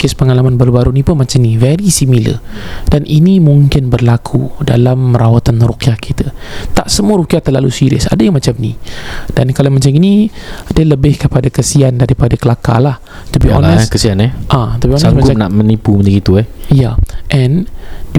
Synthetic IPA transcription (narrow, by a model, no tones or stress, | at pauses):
kespəŋalamanbaɾubaɾunipənmat͡ʃamnivɛɾisimilə̰danʔinimuŋkɪnbərlakʰudalamːəɾawat̪anrukiahkʰit̪ət̪aʔsəmuəɾukiat̪ərlalusiɾiə̰sa̰dajaŋmat͡ʃamnid̥ankalamat͡ʃaminidələbɪhkəpadakəsiandaɾipadakəlaka̰lah | t̪ubiʔɔ̰nɛskəsianɛʔat̪ubiɔnɛsmakanaʔmənipuməd͡ʒaɡit̪uɛhjaʔɛn